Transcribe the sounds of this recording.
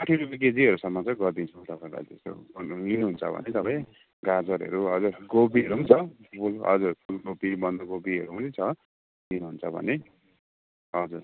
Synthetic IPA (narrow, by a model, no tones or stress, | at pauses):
paʈʰiɾupek̬ed͡ziʌɾusʌmːʌt͡sʌj̃ɡʌrd̪int͡sʰut̪ʌpãĩla̰t̪est̪o̰minuɦunt͡sʰʌbʱʌ̰net̪ʌpãĩj̃ | ɡad͡zʌɾɦʌ̰ɾuɦʌd͡zuɾɡob̬iʌɾuɦunt͡sʰʌpʰulɦʌ̰d͡zurpʰulɡopibʌnd̪oɡobiʌɾuɦunit͡sʰʌ | dinuɦunt͡sʰʌbʱʌ̰ne | ɦʌd͡zuɾ